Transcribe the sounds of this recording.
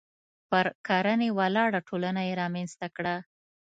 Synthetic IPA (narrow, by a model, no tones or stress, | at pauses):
pəɾkɑɾənewalɑɽaʈʰolanajeɾɑmanst̪akɽa